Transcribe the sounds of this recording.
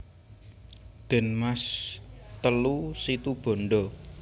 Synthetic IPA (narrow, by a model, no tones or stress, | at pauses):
d̪̥ɛ̤nmast̪əlusit̪ub̥ɔ̤ɳɖɔ